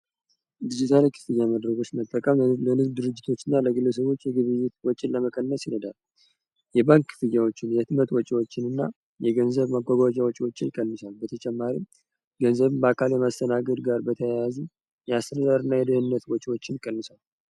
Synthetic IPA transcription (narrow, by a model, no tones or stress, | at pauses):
d̪id͡ʒit̪ʰalikʰɨ̥fɨjaməd̪ɾəɡo̞t͡ʃːmət̪ʼːəkʼəmlənɨɡ̪d̪ɨɾɨd͡ʒːɪt̪ʰo̞t͡ʃːɨnːaləɡɨlːəs̬əβo̞t͡ʃːjɛɡɨβɨjːɛt̪̚wɔt͡ʃʼɪnləməkʼənːəsjɪnəd̪al | jɛbaŋkʰːɨ̥fɨjːawot͡ʃːɪnjɛt̪mət̪wɔt͡ʃʼiwot͡ʃːɪnɨnːa | jɛɡənzəβmaɡʷaɡad͡ʒʼawɔt͡ʃʼiwo̞t͡ʃːɪnikʼənːɨsalbət̪ʰət͡ʃʼɛmːaɾim | ɡənzəβɨmbəakʰaljɛmast̪ʰənaɡəd̪ɡaɾbət̪ʰəjjazi | jɛast̪əɾədaɾɨnːajɛd̪əhɨnːət̪wɔt͡ʃʼiwo̞t͡ʃːɪnjikʼənːɨsal